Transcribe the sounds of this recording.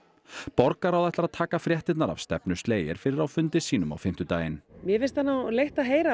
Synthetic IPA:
pɔɾkaɾawðθɛht̪lɾaðt̪ʰaːkafɾjɛht̪ɪt̪naɾa̰v̥st̪ɛ̰pnʏ̥st̪leːjɪ̰ɾ̥fɪɾɪɾawfʏnt̪ɪsiːnʏma̰wfɪm̥t̪ʏt̪aːjɪnmjɛfɪst̪anːawlejht̪aðɦeːjɾa

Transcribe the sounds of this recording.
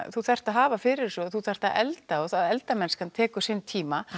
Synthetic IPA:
θuθɛr̥t̪aðɦaːvafɪɾɪɾ̥sɔθuθɛr̥t̪aðɛ̰lt̪aɔθaðɛlt̪amɛnskʰant̪ʰɛːkʏ̥sɪnt̪ʰiːma

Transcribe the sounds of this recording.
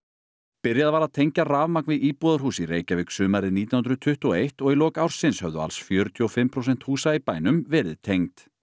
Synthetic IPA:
pɪɾjaðavaːɾaðt̪ʰejɲcaraːvmak̚nvɪðiːpɔːðaɾ̥huːsiɾeːjcavɪksʏːmaɾɪðniːt̪j̪anhʏnɾʏt̪ʰʏht̪uejht̪ɔɣilɔːkawɾ̥sɪnshœvðʏa̰lsfjœːɾʏt̪ʰjɔfɪmːpʰɾowsɛn̥t̪huːsaipaːjnʏmvɛːɾɪ̰ðt̪ʰejŋt̪

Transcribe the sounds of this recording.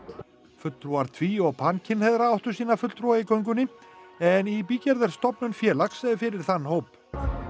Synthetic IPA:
fʏt̪t̪ɾuaɾ̥t̪ʰviːɔɣpʰancʰɪnhɛðɾaawht̪ʏsiːnafʏt̪lt̪ɾuaikœɥŋk̬ʏnːɪɛnipiːcɛɾðɛɾ̥st̪ɔpnʏnfjɛːlaksɛjðɪfɪɾɪɾ̥θanːhoːwp

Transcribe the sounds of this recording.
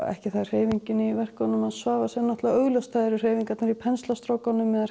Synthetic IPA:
ɛ̰hcɪθaðr̥eːjviɲcɪnɪiivɛr̥kanʏmaðsvaːvasɛnɔht̪laœɣlɔwst̪ʰaːjðɾʏr̥eːjviŋkat̪naɾipʰɛnst̪last̪ɾowkanʏmɛða

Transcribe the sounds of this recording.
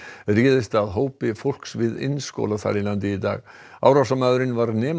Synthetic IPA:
riːðɪst̪aðɦoːwpɪfowl̥ksvɪðɪ̰nsko̰wlaθa̰ɾilant̪̬ɪiːt̪a̰ːɣ | a̰ːwɾawsamaðʏɾɪnvaɾnɛːm

